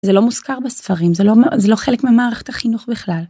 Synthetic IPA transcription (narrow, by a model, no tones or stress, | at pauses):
zelo̞muskaʁbesfaʁimzelomzelo̞χe̞lekmimaːʁeχet̪ʰaχinuχbiχlal